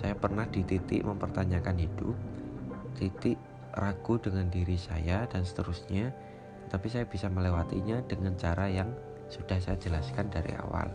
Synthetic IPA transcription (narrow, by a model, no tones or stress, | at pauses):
sajapərnahd̥it̪it̪ɪ̰ʔməmpərt̪aɲakanɦid̥ʊ̰p̚t̪it̪ɪʔ | raɡ̥udəŋandiɾisajadansə̥t̪əɾusɲa | ət̪apisajab̥isaməlewat̪ḭɲadəŋant͡ʃaɾajaŋ | sud̥ahsajad͡ʒəlaskandaɾḭa̰wa̰l